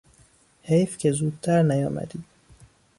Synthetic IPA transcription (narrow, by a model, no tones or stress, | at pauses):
hejfcʰezuːd̪̚t̪ʰæɾnæjɒ̰ːmæ̰d̪iː